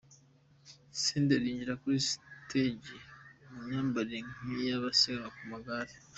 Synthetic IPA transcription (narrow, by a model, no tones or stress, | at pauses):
seːndeɾiːɲɟiɾakuɾistʰeɟemuɲaːmbaɾeŋijaβasiɡaŋakumaɡaːɾe